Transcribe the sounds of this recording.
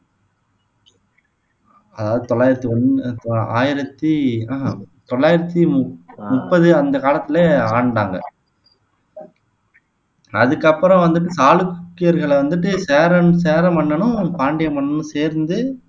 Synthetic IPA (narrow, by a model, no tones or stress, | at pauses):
ɐðaːʋɐðɯt̪ɔɭːaːjɪɾɐt̪ːiɔna̰ːjɪɾɐt̪ːɯat̪ɔɭːaːjɪɾɐt̪ːimʊpːɐðɯɐnd̪ɐkaːlɐt̪ːɪleaːɳɖaːŋɡɐ̰ | ɐðɯkːɐpːɯɾɐ̃ʋɐnd̪ɯʈːɯsaːlɯkkːɪjɐɾɣɐɭʋɐnd̪ɯʈːɯseːɾɐseːɾɐmpɐɳːɐnʊ̃paːɳɖɪjɐmpɐnːɐnɯ̃seːɾnd̪ɯ